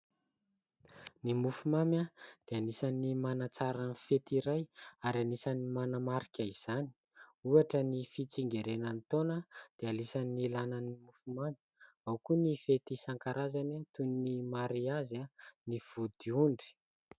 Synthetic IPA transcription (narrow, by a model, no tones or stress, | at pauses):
nimufumamjad̪̥eanisanimanat͡saɾanfet̪iɾajaɾianisanimanamaɾikʲaiz̥ani̥ | uaʈ͡ʂənifit͡siŋɡeɾenənt̪onəd̪̥ealisanːilananimufumami̥ | awkunifet̪isaŋkaɾazanat̪uninimaɾiazaniv̥ud̪̥iuɳɖ͡ʐi̥